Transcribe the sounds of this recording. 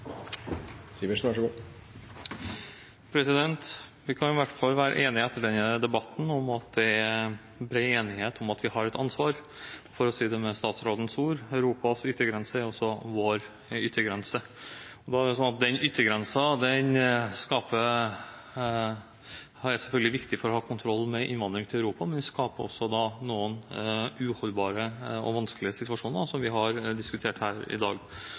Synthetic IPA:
siːʋəʂnæʂəo | pʰɾɛsɪd̪ɛnt̪ʋɪkʰɑnɪʋæʈːfɑlːʋæːɾə̰ʔeːnɪæt̪ːəɖɛnəd̪ɛbɑt̪ːn̩ɔmɑt̪̚d̪ɛæ | bɾeːeːnɪheːt̪ʰʊmɑt̪ʋɪhɑɾɛt̪ɑnsʋɑːɾ | fɔɾɔsiːd̪ɛmɛst̪ɑːt̪sɾoːd̪ən̩suːɾœʉɾuːpɑsʏt̪ːəɡɾɛnsəæɾɔsːɔʋoːɾ | ʏt̪ːəɡɾɛnsə | ɔd̪ɑæɾɖɛsɔnɑt̪̚d̪ɛnʏt̪ʰːəɡɾɛnsɑd̪ɛnskɑːpə | æɾsɛlfœlɡəlɪʋɪkt̪ɪfɔɾɔhɑːkʰʊnt̪ʰɾɔlːmɛʔɪ̰nʋɑnd̪ɾɪŋt̪ʰɪlɑʉɾuːpɑmɛnskɑːpəɔ̰sːɔd̪ɑnuːənʉhɔlbɑːɾəɔ̰ʋɑnsklɪəsɪt̪ʉʋɑʂuːnəd̪ɑsɔmʋɪɦɑɾd̪ɪskʉt̪ʰeːʈhæːɾɪ̰d̪ɑːɡ

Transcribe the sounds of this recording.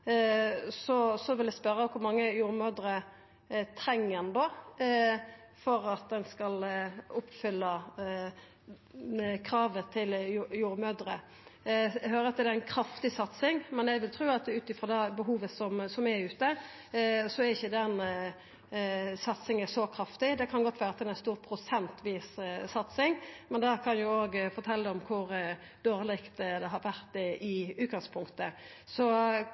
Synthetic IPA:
sɔsɔʋɪld̪æspœɾːəkʰʊɾmɑŋːəjuːɾmød̪ɾə | t̪ʰɾɛŋːənd̪o | fɔɾɑt̪̚d̪ɛnskɑlʊpːfʏlːə | kʰɾɑːʋət̪ʰɪljuːɾmøːd̪ɾə | ɦøːɾəɑt̪d̪d̪ɛɛnkʰɾɑft̪ɪsɑt̪sɪŋmɛnæɪʋɪlt̪ʰɾʉːɑt̪ʉːt̪ɪfʁɔd̪ɛbəɦuːʋəsɔmsɔmæɾʉːt̪ə | sɔæɾɪçːəd̪ɛn | sɑt̪sɪŋəsɔkʰɾɑft̪ɪd̪ɛkʰɑnɡɔt̪ːʋæːɾət̪ʰɛnɛnst̪uːɾpʰɾʊsɛnt̪ʋiːssɑt̪sɪŋmɛnd̪ɛkʰɑnjʊoːɡfɔɾt̪ʰɛlːəd̪ɔmkʰʊɾ | d̪̥oːɾlɪkt̪d̪ɛɦɑɾʋæɾt̪ːɛʔɪʉːt̪̚ɡɑŋspʰʊŋkt̪ə | sɔ

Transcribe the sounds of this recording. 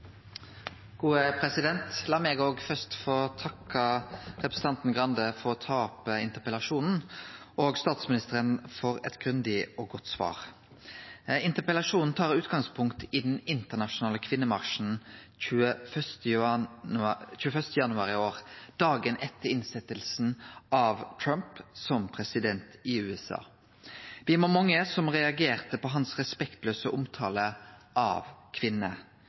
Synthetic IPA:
ɡ̥uːəpʰɾɛsɪd̪ɛnt̪lɑːmɛɡoːɡfœst̪fɔt̪ʰɑkːɑʁɛpɾʁsəɑnt̪n̩ɡʁɑnd̪əfɔʁɔt̪ʰɑːpəɪnt̪əpɛlɑʂuːnn̩ʔoːɡst̪ɑːt̪smɪnɪst̪əɾənfɔʁɛ̰t̪ɡ̥ʁʉnd̪ɪɔɡɔt̪ːsʋɑ̰ːʁ | ɪnt̪əpɛlɑʂuːnn̩t̪ʰɑːɾʉːt̪ɡɑŋspʰʊŋkt̪ɪd̪ɛnɪnt̪əʁnɑʂʊnɑːləkʰʋɪnːəmɑʁʂn̩ | çʉːəfœst̪ | c͡çʉːəfœʁst̪əjɑnʉɑːʁɪoːʁd̪̥ɑːɡənʔɛt̪ːəʁɪnsɛt̪ːəlsn̩ʔɑʋt̪ʰɹœmpsɔmpʰʁɛsɪd̪ɛnt̪ɪʉːɛsɑ̰ː | ʋɪmomɔŋːəsɔmʁɛɑɡeːʁt̪əpɔɦɑnsʁɛspɛkt̪løːsəʔʊmt̪ʰɑːləʔɑ̰ʋkʰʋɪnːə

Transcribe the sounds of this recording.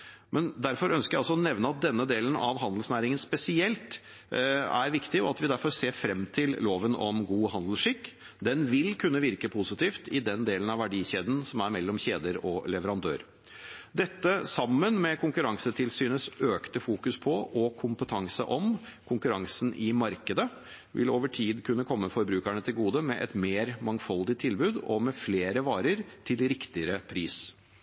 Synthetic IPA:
mɛnd̪æɾfɔɾœnskəɾjæɑlsɔɔnɛʋnəɑt̪̚d̪ɛnːəd̪eːlənɑʋɦɑnd̪l̩snæːɾɪŋənspɛsɪɛlt̪ | æ̰ɾʋɪkt̪ɪɔɑt̪ʋɪd̪æɾfɔɾseːɾfɾɛmːt̪ʰɪlloːʋənɔmɡuːɦɑnd̪l̩ʂɪkː | d̪ɛnʋɪlkʰʉnːəʋɪɾkəpʰʊsɪt̪ʰiːft̪ɪd̪ɛnd̪eːlənɑʋæɖiːçeːd̪n̩sɔmæɾmɛlːɔmçeːd̪əɾɔlɛʋəɾɑnd̪ø̰ːɾ | d̪ɛt̪ːəsɑmːənmɛkʰʊŋkʉɾɑŋsət̪ʰɪlsyːnəsøːkt̪əfuːkʉspʰɔʔɔkʰʊmpət̪ʰɑŋsə̰ʔɔmkʰʊŋkʉɾɑŋsnʔɪmɑɾkəd̪ə | ʋʔɪ̰loːʋəʈʰiːd̪kʰʉnːəkʰɔmːəfɔɾbɾʉːkæɳət̪ʰɪlɡuːd̪əmɛʔɛ̰t̪meːɾmɑŋfɑld̪ɪt̪ʰːɪlbʉːd̪ɔ̰mɛfleːɾəʋɑːɾəɾt̪ʰɪlɾɪkt̪ɪəɾəpʰɾiːs

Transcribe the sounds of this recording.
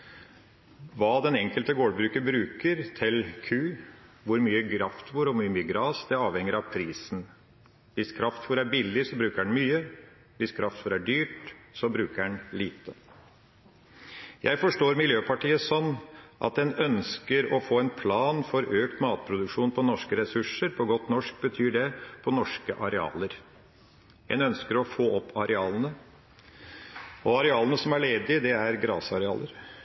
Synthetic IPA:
ʋɑːd̪ɛnɛŋkəlt̪əɡoːɖbɾʉːkəbɾʉːkəɾt̪ʰɪlkʰʉːʋʊɾmyːəɡɾɑft̪buːɾɔmyːəmyːəɡɾɑːsd̪ɛɑːʋhɛŋːəɾɑʋpʰɾiːsn̩ | ʋɪskʰɾɑft̪fɔɾæɾbɪlːɪsɔbɾʉːkəɖɛnmyːə | ʋɪskʰɾɑft̪fɔɾæɖyːʈsɔbɾʉːkəɖɛnliːt̪ə | jʔæ̰ɪfɔʂʈoːɾmɪljøːpʰɑʈiːəsɔnːʔɑ̰t̪̚d̪ɛnœnskəɾɔfoːɛnpʰlɑːnfɔɾøːkt̪mɑːt̪̚pʰɾʊd̪ʉkʂuːnpʰɔnɔʂkəɾɛsʉʂəɾpʰɔɡɔt̪nɔʂk̚bət̪ʰyːɖɛpʰɔnɔʂkəʔɑɾɛɑ̰ːləɾ | d̪ɛ̰nœnskəɾɔfoːɔpʰːɑɾʔɛɑːlənə | ɔɑɾɛɑːlənəsɔmæɭeːd̪ɪd̪ɛæɾɡɾɑ̰ːsɑɾɛɑ̰ːlʔəɾ

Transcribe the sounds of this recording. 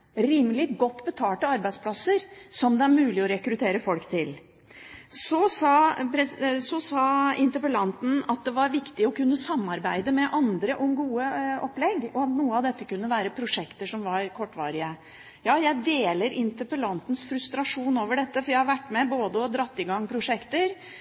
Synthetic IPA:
ɾiːmlɪɡɔt̪ːbət̪ʰɑːʈ̪əɑɾbæɪspʰlɑsəɾsɔmd̪ɛæɾmʉːlɪɔɾɛkɾʉt̪ʰeːɾəfɔlkt̪ʰɪl | sɔsɑːpɾɛsɔsɑːɪnt̪əpəlɑnt̪n̩ɑt̪̚d̪ɛʋɑɾʋɪkt̪ɪɔkʉnːəsɑmːɑɾbæɪd̪əmɛʔɑnd̪ɾəʔɔmɡuːəɔpːlɛɡɔɑt̪nuːəɑʋd̪ɛt̪ːəkʉnːəʋæːɾəpʰɾʊʂɛkt̪əʂɔmʋɑɾkʰɔʈːʋɑ̰ːɾɪə | jɑːjæɪd̪eːləɾʔɪnt̪əpəlɑnt̪n̩sfɾʉst̪ɾɑʂuːnoːʋəɖɛt̪ːəfɔɾjæɪhɑɾʋæʈːmɛboːd̪əɔd̪ɾɑt̪ːɪɡɑŋːpʰɾʊʂɛkt̪əɾ

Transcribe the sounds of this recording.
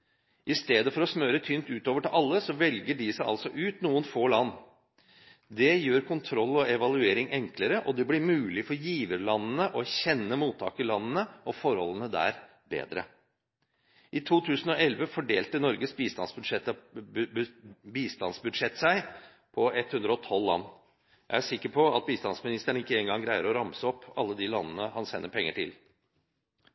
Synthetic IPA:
ʔɪst̪eːd̪əfɔɾɔsmøːɾət̪ʰyːnt̪ʉːt̪oːʋəʈɪlʔɑlːəsɔʋɛlɡəɖɪsæɪʔɑ̰lsɔʔʉːt̪nuːənfoːlɑnː | d̪ɛjøːɾkʰʊnt̪ʰɾɔlːɔɛʋɑlʉeːɾɪŋɛŋkləɾəʔɔd̪ɛblɪɾmʉːlɪfɔɾjiːʋəɾɭɑnːənəʔɔæɾçɛnːəmuːt̪ʰːɑ̰ːkəlɑnːənəʔɔfɔɾhɔ̰lːənəd̪æ̰ːɾ | bḛːd̪ɾə̰ | ʔɪt̪ʰuːt̪ʰʉːsn̩ɔɛlʋəfɔɖeːlt̪ənɔɾɡəsbiːst̪ɑnsbʂɛt̪ | biːst̪ɑnsbʉd̪ʂɛt̪ːsæɪ | pʰɔɛt̪hʉnd̪ɾəɔt̪ʰɔlːɑ̰nː | jæ̰ɪæʂɪkːəɾpʰɔɑt̪̚biːst̪ɑnsmɪnɪst̪əɳəɪkːəeːŋɡɑŋɡɾæɪəɾɔɾɑmsəɔpːɑlːəd̪ilɑnːənəhɑnsɛnːəɾpʰɛŋːəʈʰɪ̰l

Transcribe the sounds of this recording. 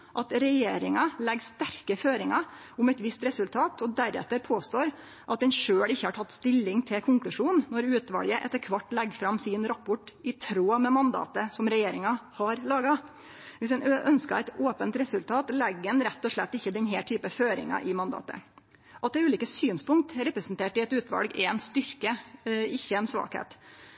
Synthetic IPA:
ʔɑt̪ɾɛjeːɾɪŋɑlɛɡst̪æɾkəføːɾɪŋɑ | ʊmɛt̪ʋɪst̪ɾɛsʉlt̪ʰɑːt̪ʰɔd̪æɾɛ̰t̪ːəɾpʰoːst̪oːɾ | ʔɑt̪̚d̪ɛnʂøːlɪçːəhɑʈʰɑt̪ːst̪ɪlːɪŋt̪ʰɪlkʰʊŋklʉʂuːnːɔɾʉːt̪ʋɑ̰ːljəʔɛt̪ːəɾkʰʋɑʈːlɛɡːfɾɑmsɪnɾɑpːʊʈɪt̪ʰɾoːɑmɛmɑnd̪ɑ̰ːt̪əsɔmɾɛjeːɾɪŋɑhɑɾlɑːɡɑ | ʋɪsɛnʔœnskɑæɪt̪oːpənt̪ɾɛsʉlt̪ʰɑːt̪lɛɡːənɾɛt̪ːɔʂɭɛt̪ːɪçːəd̪ɛnɦɛːt̪ʰyːpəføːɾɪ̰ŋɑ̰ʔɪmɑnd̪ɑ̰ːt̪ə̰ | ʔɑt̪̚ɛːɾʉːliːkəsyːnspʊŋkt̪ɾɛpɾɛsnt̪ʰeːʈɪɛt̪ʉːt̪ʋɑ̰lɡɛnst̪ʏɾkəɪçːəɛnsʋɑ̰ːkhḛːt̪

